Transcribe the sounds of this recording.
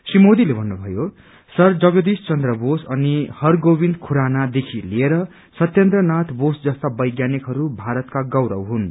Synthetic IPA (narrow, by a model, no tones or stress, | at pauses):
simod̪ilebʱʌnːubʱʌjo | sʌrd͡zʌɡʌd̪ist͡sʌnd̪rʌbosʌnihʌrɡobind̪kʰuɾanad̪ekʰilieɾʌ | sʌt̪jʌnt̪rʌnat̪bosd͡zʌst̪abʌjɡjanikɦʌɾubʱaɾʌt̪kaɡʌwɾʌ̰wɦun